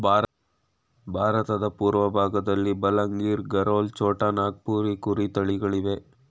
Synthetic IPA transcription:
b | bʱaːɾɐt̪ɐd̪ɐpuːɾʋɐbʱaːɡɐd̪ɐlːibɐlɐŋɡiːɾɡɐɾoːlt͡ʃoːʈɐnaːɡ̚puːɾikuɾit̪ɐɭiɡɐɭiʋe̞

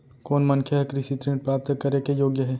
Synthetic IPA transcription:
koːnmɐnkʰjəɦekɾisit̪ɾẽːɳʈ̚pɾaːp̚t̪əkɐɾekejoːɡjəɦɛː

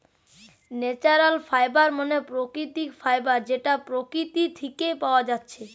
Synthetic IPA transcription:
net͡ɕaɾalfajbaɾmonepɾokɾit̪ikfajbaɾd͡ʑeʈapɾokɾit̪it̪ʰikejpaoad͡ʑatːɕʰe

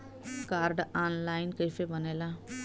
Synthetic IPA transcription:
kaːɾɖanlajnkəjfebʌnelã

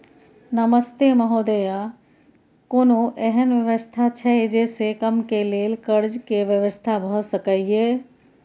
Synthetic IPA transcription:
nəməst̪eməɦoːd̪əja | koːnõʔɛɦənʋjəʋəst̪ʰat͡ʃʰɛed͡ʒeːsekəmkeleːlkəɾd͡ʒkeʋjəʋəst̪ʰabʱəsəkəieː

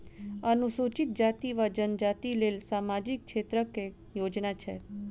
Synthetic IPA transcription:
ənusut͡ʃit̪̚d͡ʒat̪iʋad͡ʒənd͡ʒat̪ilelsamad͡ʒikʃet̪ɾəke | jod͡ʒnat͡ʃʰḛ

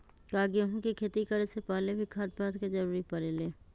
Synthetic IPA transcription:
kaːɡeɦũkikʰeːt̪ikɐɾesepaːlebʱikʰaːt̪̚pəɾt̪ked͡ʒɐɾuːɾipɐɾeːleː

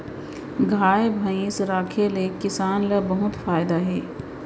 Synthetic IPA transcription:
ɡʱaːebʱɐ̃ĩːsɾaːkʰelekɪsaːnlɐbɐɦʊt̪faːjd̪aɦɛː

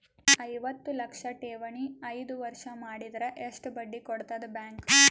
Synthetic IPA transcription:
ɐjʋɐt̪ːulɐkʂɐʈeːʋɐɳiɐjd̪uʋɐɾʂɐmaːɽid̪ɐɾɐʔeʂʈubɐɖːikoɽt̪ɐd̪ɐbjaːŋk

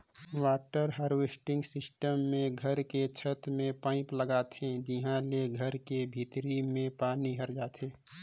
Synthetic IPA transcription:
waːʈəɾɦaɾwesʈɪ̃ŋɡsɪsʈəmːẽɡʱəɾket͡ʃʰət̪mẽpãːɪpləɡaːt̪ɦẽd͡ʒiɦãleɡʱəɾkebʱiːt̪ɾimẽpaːniɦəɾd͡ʒaːt̪ɦẽː

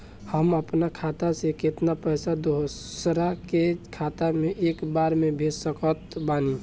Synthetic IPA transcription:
həməpnakʰat̪asekɪt̪napəɦsad̪oɦsɾakekʰat̪ameʔekbaɾmebʱed͡ʒsəkət̪bani

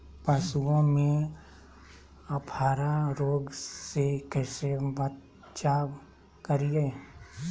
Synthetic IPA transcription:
pəsuõmẽ | ɐpʰaːɾaɾoːɡsekɛːsebət̪ | t͡ʃaːʋ | kəɾie

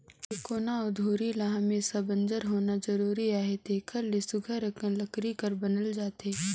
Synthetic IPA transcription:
ɪkoːnaʊd̪ʱoːɾilaɦãmẽsɐbə̃nd͡ʒəɾɦoːnad͡ʒɐɾuːɾiaːɦet̪eːkʰəɾlesʊɡʱəɾɐkəlɐkɾikɐɾbɐnəld͡ʒaːt̪eː

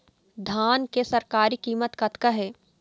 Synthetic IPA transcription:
d̪ʱaːnkesɐɾkaːɾikiːmət̪kɐt̪kaɦɛː

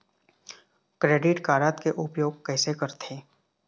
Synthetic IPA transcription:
kɾeːɖɪʈkaːɾaːt̪keʔʊpjoːɡ̚kɛːsekəɾt̪ʰeː

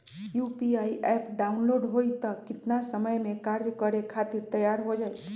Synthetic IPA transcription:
juːpiaːiʔɛpɖaʊnloːɖɦoit̪əkːɪt̪nasəməjmẽkaɾd͡ʒkəɾekʰat̪ɪɾt̪əjaɾɦod͡ʒaːi

